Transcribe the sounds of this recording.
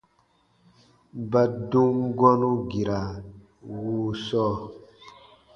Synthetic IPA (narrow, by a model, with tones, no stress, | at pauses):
ba˨du˦ŋɡɔ˦nu˦ɡi˨ɾa˨ | wu˦sɔː˦